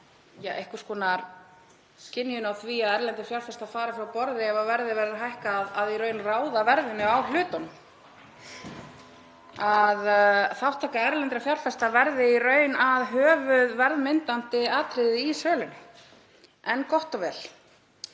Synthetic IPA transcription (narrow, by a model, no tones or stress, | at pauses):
jaʔehkʏ̥ɾ̥skɔːnaɾ | cɪnːjʏnawθviaðɛɾlɛnt̪ɾɪfjawɾ̥fɛst̪afaːɾafɪɾawpɔɾðɪɛvavɛɾðɪvɛːɾðaɦajhkaːðaðiɾœːɥnraːwðavɛɾðɪnːʏawl̥ʏːt̪ɔn | aðθawht̪ʰaːkaɛɾlɛnt̪ɾɪfjawr̥fɛst̪avɛɾðɪirœːɥnaðɦœːvʏðvɛɾðmɪnt̪ant̪ɪaːt̪ʰɾɪðɪisœːlʏnʏ | ɛnkɔht̪ɔvɛːl